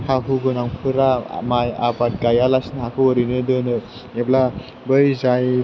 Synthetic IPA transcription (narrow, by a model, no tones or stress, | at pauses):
haɦuɡɯnaŋpʰɯɾa̰maja̰bat̚ɡajalasnaɦakʰɯwəɾinɯdɯnɯ | epla | bɯjzaj